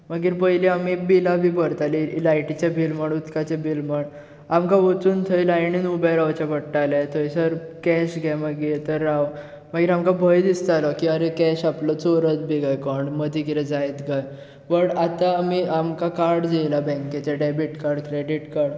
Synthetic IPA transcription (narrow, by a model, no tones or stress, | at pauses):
məɡiːɾpəjliamibilabʱibəɾt̪alilajʈit͡ɕabilməɽ̃ut̪kat͡ɕebilməɳ | amkaʋət͡suːnt̪ʰəilajɳinubaɾawt͡ɕapəɽʈːalɛt̪ʰojsəɾ | kɛɕɡʱjaməɡiːt̪əɾːaw | maɡiːɾamkabʱəjd̪ist̪alɔkiəɾekɛɕaplɔt͡soɾət̪̚bʱiɡajkɔɳɖməd̪ʱikiɾɛd͡zajt̪ɡaj | bəɽat̪aːmiamkakaɾɽd͡ʑejlabɛ̃ŋket͡ɕaɖɛbiʈkaɾɽkɾeɽiʈkaɾɽ